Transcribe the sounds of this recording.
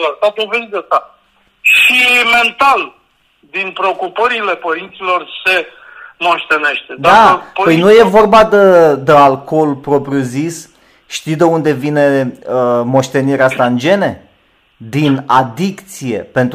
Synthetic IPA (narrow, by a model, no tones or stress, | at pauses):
last̪at̪ulvezast̪a | ʃime̞nt̪al | d̪inpɾeokupəɾile̞pəɾint̪silo̞rse̞ | mo̞ʃt̪e̞ne̞ʃt̪ed̪apəjnuje̞vo̞rbad̪əd̪ealko̞lpɾo̞pɾjuzis | ʃt̪id̪eund̪e̞vine̞əmo̞ʃt̪e̞niɾeast̪aɨnd͡ʒe̞ne̞ | d̪inad̪ikt̪sije̞pe̞nt̪